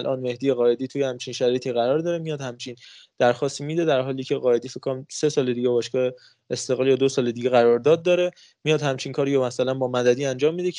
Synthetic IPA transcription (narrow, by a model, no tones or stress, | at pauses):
lʔɒ̰ːnme̞hd̪ijeɣɒːe̞d̪iːt̪ʰujehæmt͡ʃʰinʃæɾijt̪ʰiɣæɾɒːɾd̪ɒːɾemijɒːd̪hæmt͡ʃʰiːn | d̪̥æɾxɒːst̪imiːd̪e̞d̪æɾɦɒːliːcʰe̞ɣɒːe̞d̪iːfekʰːonæmse̞sɒːle̞d̪iːɟebɒːʃkɒːe | est̪e̞ɣlɒːljɒːd̪osɒːle̞d̪iɟeɣæɾɒːɾd̪ɒːd̪̚ːɒːɾe̞ | mijɒːd̪hæmt͡ʃʰinkʰɒːɾijɔmæsælænbɒːmæd̪æd̪iːænd͡ʒɒːmːid̪e